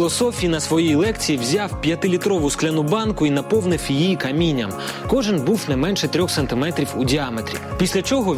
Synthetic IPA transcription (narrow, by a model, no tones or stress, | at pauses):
lˠɔsɔfʲijinɐsʋɔjijlˠɛkt͡sʲijiwzʲɑwpʲjɐt̪ɪlʲit̪ɾɔʋʊsklʲɐnʊbɑnkʊinɐpɔwnɪfwjijijikɐmʲinʲːɐ̰m | kɔʒɪnbuwnɛmɛnʃɛt̪ɾʲɔxsɐnt̪ɪmɛt̪ɾʲiwudʲiɑmet̪ʲɾʲḭpʲisʲlʲɐt͡ʃɔɦɔ